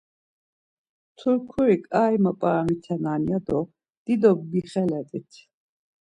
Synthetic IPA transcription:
t̪ʰuɾkʰuɾikʼaːjməpʼamit̪ʰɛnanjad̪ɔ | d̪̥id̪ɔɡ̚biχɛlɛt̪ʼit̪ʰ

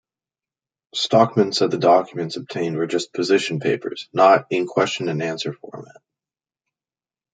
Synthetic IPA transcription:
stɑk̚mɨ̃ntsʌv̚ðɨdɑkʰjmɨ̃ntsʌb̚tʰẽɪ̃ndwə˞d͡ʒʌspʰɨzɪʃn̩pʰeɪpə̰˞z̥nəɾɨ̃nkʰw̥ɛst͡ʃɨ̃nɨ̃næ̃nsə˞fɔ̰ɹmæ̰t̚

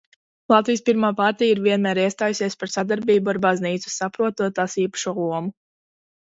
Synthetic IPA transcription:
lˠɑt̪vijspiɾmaːpaɾt̪ijiɾviɛnmæːɾiɛst̪aːjusiɛspaɾsad̪aɾbiːbuaɾbazniːt̪su̥sapɾuɔt̪uɔt̪aːsiːpḁʃuɔlˠuɔmu

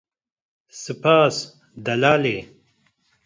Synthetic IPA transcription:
sɨpaːs | d̪ɐlaːleː

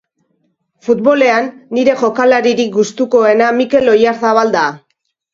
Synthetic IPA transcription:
fut̪̚βo̞le̞anːiɾe̞ʝo̞kalaɾiɾik̚ɡust̪uko̞e̞namike̞lo̞jaɾθaβald̪a

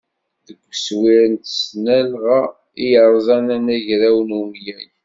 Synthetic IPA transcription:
ðəɡʷːswɪɾənt̪snælʁa | ijəɾˤzˤænænæʝɾæwənumjæn

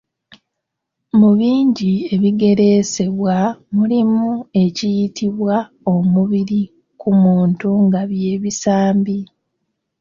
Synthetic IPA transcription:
muβiːɲɟie̞βiɡe̞ɾe̞se̞βwamulimue̞cijitiβwa | o̞muβiɾi | kʰumuːntuŋɡaβje̞ːβisaːmbi

